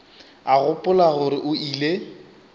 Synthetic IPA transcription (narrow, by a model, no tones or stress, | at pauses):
aɣʊpʼʊlaɣʊɾɪʔʊile